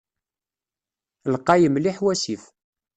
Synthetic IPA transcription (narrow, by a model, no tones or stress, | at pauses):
lqːɑjəmliħwæsiθ